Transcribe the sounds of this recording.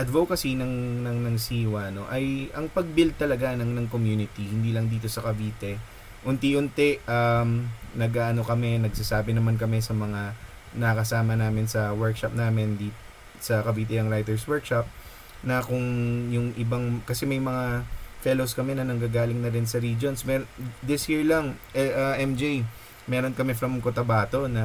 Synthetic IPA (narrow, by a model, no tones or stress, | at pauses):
ʔɐd̪vokɐsinɐŋnɐŋnɐŋsiːwɐno̞ʔɐjʔɐŋpɐɡ̚bɪld̪̚t̪ɐlɐɡanɐŋnɐŋkomjuːnɪt̪ihɪnd̪iːlɐŋd̪iːt̪o̞sɐkɐbiːt̪ɛ | ʔʊnt̪iʔʊnt̪ɛʔʔamnɐɡʔaːʔɐno̞kɐmɛnɐɡsasaːbɪnɐmankɐmɛsɐmɐŋa | nɐɐkɐsaːmɐnaːmɪnsɐwɛɹkʃɐp̚naːmɪnd̪i | sɐkɐbiːt̪ɛɐŋɾajt̪ɛɹswɛɹkʃɐp̚ | nɐkʊŋjʊŋʔɪbaŋkɐsɛmɐjmɐŋafɛlowskɐmɛnɐnɐŋɡaːɡaːlɪŋnɐɾɪnsɐɾiːd͡ʒonsmɛd̪ɪshiɹlɐŋʔʔɐʔɛmd͡ʒej | mɛːɾo̞nkɐmɛfɾɐmkot̪ɐbaːt̪o̞nɐ